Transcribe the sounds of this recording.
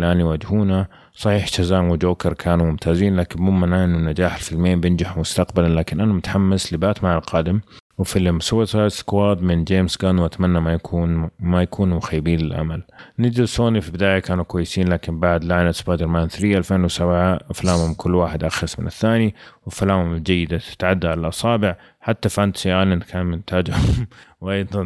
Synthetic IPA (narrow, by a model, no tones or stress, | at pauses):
lʔaːniwaːd͡ʒhuːna | sˤɑħiːħʃazaːmwɪd͡ʒoːkɪɾˤkʰaːnumʊmt̪ʰaːziːnlaːkɪmmʊmːanaʔɪnːunːad͡ʒaːħɪlfɪlmeːnbjɪnd͡ʒaħmʊst̪aqbalalaːkɪnʔanamʊt̪ħamːaslɪbaːt̪maʕalqɑːd̪ɪmwɪfilːɪmsut̪askwaːd̪mɪnd͡ʒeːmsɡanwʔat̪manːamaunmajakʰuːnmʊxajːɪbiːnlɪlʔa̰malnɪd͡ʒ̪isoːnifibɪd̪aːjakaːnukwajːɪsiːnlaːkɪnbaʕd̪laʕnat̪sbaːjd̪ɪɾˤmaːnθɾijːaʔalfeːnwɪsabʕafalaːmhʊmkʰʊlːwaːħɪd̪ʔaxɑsmɪnɪθːaːniwɪfalaːmhʊmd͡ʒajːɪd̪at̪ɪ̥t̪ʕad̪ːaʕalalʔɑsˤɑːbɪʕ | ħat̪ːafʔant̪sijaːnɪnkʰaːnmɪnt̪ʰaːd͡ʒhʊmwʔɑjd̪ˤɑn